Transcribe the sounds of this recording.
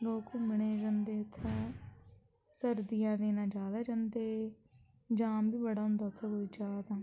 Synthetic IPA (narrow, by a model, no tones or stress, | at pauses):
loːkuːməɳ̃eːd͡ʒãnd̪eːʊt̪ʰːãː | səɾd̪ijãːd̪eːnãːd͡ʒaːd̪aːd͡ʒãːnd̪eː | d͡ʒãːmbiːbəɽaːɦʊ̃nd̪aːʊt̪ʰːãːkoːiːd͡ʒaːd̪aː